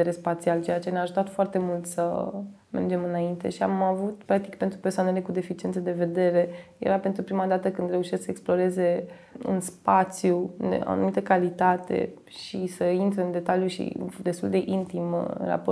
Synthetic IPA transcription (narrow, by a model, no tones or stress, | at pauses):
eɾesːpat̪sialt͡ʃejat͡ʃe̞neaʒut̪at̪foart̪e̞mult̪səme̞̰rd͡ʒe̞mɨnaint̪e̞̰ʃia̰mavut̪pɾak̚t̪ikpe̞nt̪ɾupersoanele̞kud̪e̞fit͡ʃie̞nt̪səd̪e̞ve̞d̪e̞ɾe̞je̞̰ɾapent̪ɾupɾimad̪at̪əkɨnd̪ɾe̞uʃesksəeksplo̞ɾe̞ze̞ | ɨ̰nspat̪sjud̪ḛa̰nṵmit̪əkalit̪at̪e̞̰ | ʃisəint̪ɾeɨnd̪e̞t̪aljuʃḭd̪e̞st̪ṵld̪e̞ʔint̪im̰nra̰po